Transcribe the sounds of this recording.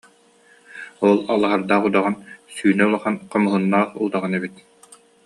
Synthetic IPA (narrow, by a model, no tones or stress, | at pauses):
ɔlˠalˠaɦaɾd̪aːχud̪aʁansyːnɛulˠaχanqɔmɯɦɯnːaːχṵlˠd̪aʁanɛbit̪